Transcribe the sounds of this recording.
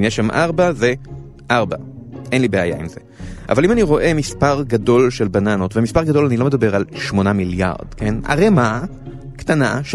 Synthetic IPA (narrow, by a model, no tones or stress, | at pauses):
njeʃamʔaʁbaze | ʔaʁbaʔe̞nlibeaja̰imze̞̰ʔa̰valimaniʁo̞ʔe̞mispaʁɡado̞lʃe̞lbananotvemispaʁɡad̪o̞lanilo̞medabe̞ʁalʃmo̞namilja̰ʁd̥ke̞na̰ʁema | ktanaʃ